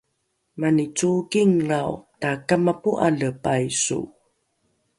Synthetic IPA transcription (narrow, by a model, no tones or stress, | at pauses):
manit͡sukiŋrawtakamapuʔa̰ləpajsṵ